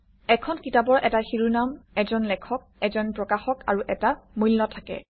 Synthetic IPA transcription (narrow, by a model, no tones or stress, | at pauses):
ɛkʰɔnkitabɔɹʔɛtaxiɹunamɛzɔnlɛkʰɔk̚ɛzɔnpɹɔkaxɔka̰ɹuʔɛtamulːɔtʰakɛ̰